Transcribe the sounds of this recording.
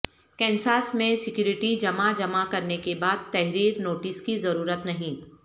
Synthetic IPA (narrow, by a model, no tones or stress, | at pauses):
kɛ̃ːnsaːsmẽsɪkjuːɾɪʈid͡ʒɐmad͡ʒɐmakɐɾnekebaːd̪̚t̪ɛɦɾiːɾnoːʈɪskizɐɾuːɾət̪nɐɦĩː